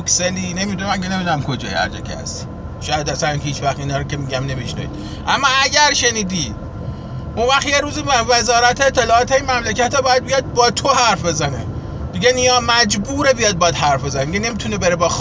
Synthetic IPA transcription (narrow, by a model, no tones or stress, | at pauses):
ksenine̞mid̪unemæŋkenemid̪unæmkʰo̞d͡ʒɒ̰ːjiæ̰ɾd͡ʒḛkʰḛæ̰st̪ | ʃɒːjæd̪æsæɾnhiːt͡ʃvæxt̪iːnɒːɾocʰemiɟæmne̞miʃnæ̰ḭd̪̥ | ʔæmːɒːæɟʲæɾʃe̞niːd̪iː | ʔunvæxt̪jeɾuːzivezɒːɾæt̪ʰeːt̪ʰːe̞lɒːɒːt̪ʰeimæmlekʰæt̪ʰɒbɒːjæd̪̚bijɒd̪̚bɒːt̪ʰohæɾfbe̞zæne | miɡeniɒːmæd͡ʒbuːɾebijɒːd̪̚bɒːjæd̪hæɾfbe̞zænemiɟene̞mit̪ʰunebeɾebɒːx